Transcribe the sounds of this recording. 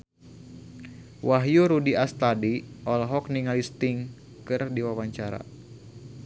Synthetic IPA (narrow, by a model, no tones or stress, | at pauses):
waɦjuɾudiast̪adiʔɔlɦɔkniŋalist̪ɪŋ | kɨrdiwawaɲt͡ʃaɾa̰